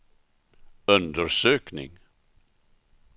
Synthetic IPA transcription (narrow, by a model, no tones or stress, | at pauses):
ɵnd̪əɾʂøːknɪ̰ŋ